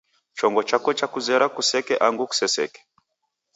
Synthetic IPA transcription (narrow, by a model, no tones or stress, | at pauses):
t͡ʃɔŋɡɔt͡ʃakɔt͡ʃakuzɛɾakusɛkɛʔaŋɡuku̥sɛsɛ̰kɛ̥